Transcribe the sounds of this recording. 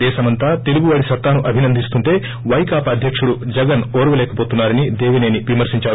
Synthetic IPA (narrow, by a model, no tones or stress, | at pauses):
ɛːʃɐmɐnt̪aːt̪e̞luɡuʋaːɽisɐt̪ːaːnuʔɐbʱinɐnd̪ʱist̪unʈ̪e̞ː | ʋɐjkaːpɐːd̪ʱjɐkʂuɽud͡ʒɐɡɐnoːɾʋɐlɛːkɐpoːt̪unːaːɾɐnid̪eːʋineːniʋimɐɾsiɲt͡ʃaːɽ